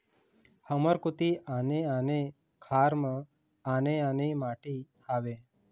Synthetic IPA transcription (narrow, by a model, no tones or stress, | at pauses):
həməɾkut̪iʔaneane | kʰaɾmã | aneanemaʈi | aʋe